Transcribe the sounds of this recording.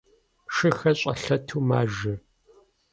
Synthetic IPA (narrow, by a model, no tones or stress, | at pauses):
ʃɨxɐɕʼɐɬɐtʰuːmaːʒɨ